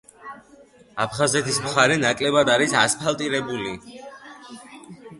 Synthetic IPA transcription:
apʰχazɛt̪ʰismχaɾɛnakʼlɛbad̪aɾisaspʰalˠt̪ʼiɾɛbuli

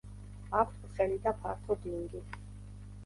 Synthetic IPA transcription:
akʰt̪ʰχɛlid̪apʰaɾt̪ʰɔd̪iŋɡi

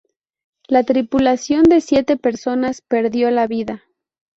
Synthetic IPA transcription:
lat̪ɾipulasjo̞nd̪e̞sje̞t̪e̞pe̞ɾso̞naspe̞ɾðjo̞laβiða

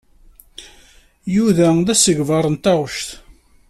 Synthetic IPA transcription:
juðæðæsəʝvɑɾˤənt̪æʁəʃθ

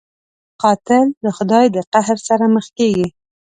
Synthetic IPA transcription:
qɑt̪ɪld̪əxʊd̪ɑjd̪əqahɾsaɾaməxkeɡi

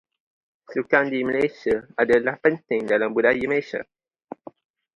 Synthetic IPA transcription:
sukãnd̪iməleʃəadəlapənt̪ẽŋd̪alãmbudajimeʃə̰

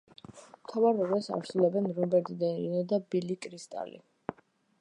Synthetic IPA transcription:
mt̪ʰavaɾɔɡɛsa̰ɾsulɛbɛnɾɔbɛɾt̪ʰʼid̪ɛnɾinɛd̪abilikʼɾist̪ʼa̰lḭ

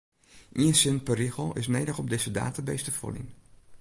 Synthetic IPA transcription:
ʔiənsɪnpəɾiɣəlˠɪsnejdəχɔb̚dɪz̥əda̰ːtabejstəfo̰lḭn

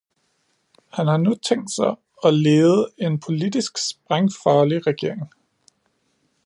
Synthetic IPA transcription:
hænhɑ̈nut͡sʰeŋ̰d̥sɑ̈ɪ | ɒ̽leːð̩ˠe̝npʰo̝lid̥isɡ̥sb̥ʁaŋfɑ̈ːliʁɛɡ̥e̝ɐ̰eŋ

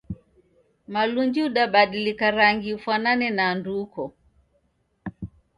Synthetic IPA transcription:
maluɲd͡ʒuɗaɓaɗilikaɾaŋɡiufwananɛnaːndukɔ

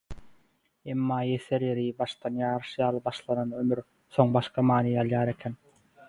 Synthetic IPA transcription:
e̞mːɑːje̞θeɾjeɾibɑʃt̪ɑnjɑːɾɯʃjɑːlˠɯbɑʃlˠɑnɑnømyɾ | θo̞ŋbɑʃqʰɑmɑːniɑlˠjɑːɾe̞kʲʰen

